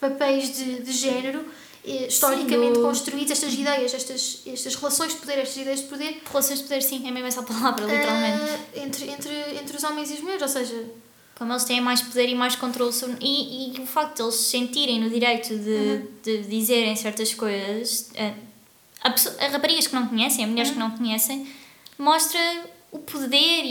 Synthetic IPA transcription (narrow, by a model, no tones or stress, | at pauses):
pɐpɛjʒðɨðɨʒɛnɨɾu | ɛʃt̪ɔɾikɐmẽt̪kõʃt̪ɾuiðzɛʃt̪ɐziðɛjɐʃɛʃt̪ɐʃɛʃt̪ɐʃʁɨlˠɐsõj̃ʒd̪̚puðeɾɛʃt̪ɐziðɛjɐʒðpuðeɾʁɨlˠɐsõj̃ʒd̪puðeɾsĩɛmemɛzapɐlˠavɾɐlˠit̪ɾɾalˠmẽnt̪ẽnt̪ɾẽnt̪ɾɨẽnt̪ɾuzɔmẽj̃ziuʒmuɛɾzosɐʒɐ | kõmelˠʃt̪ɐ̃j̃ẽj̃majʃpuðeɾimajʃkõnt̪ɾolˠsoβɾniːufak̚t̪ud̪elˠʃsẽnt̪iɾɐ̃j̃nuðiɾɐjt̪uðɨd̪ɨðizeɾɐ̃j̃sɛɾt̪ɐʃkojzɐʃɛ | ɐpsoʔɐʃʁɐpɐɾiɣɐʃknɐ̃w̃kuɲɛsɐ̃j̃ɐmuʎɛɾʃknɐ̃w̃kuɲɛsɐ̃j̃mɔʃt̪ɾɐupʰuðeɾ